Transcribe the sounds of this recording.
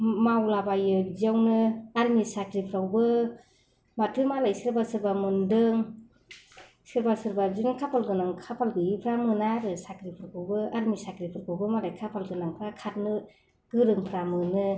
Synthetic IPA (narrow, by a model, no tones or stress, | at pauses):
mawlabajɯziawnɯaɾmisakʰɾipʰɾawbɯ | matʰɯmalajsɯɾbasɯɾbamɯndɯŋ | sɯɾbasɯɾbazinɯkʰapʰalɡɯnaŋkʰapʰalɡɯipʰɾamɯnaɾɯsakʰɾipʰɾakawbɯaɾmisakʰɾipʰɯɾkʰɯwbɯmalajkʰapʰalɡɯnaŋpʰɾakʰat̚nɯ | ɡɯɾɯŋpʰɾamɯnɯ